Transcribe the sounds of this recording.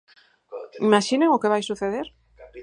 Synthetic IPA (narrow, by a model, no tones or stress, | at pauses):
imaʃineŋʊkeβajsuθeðeɾ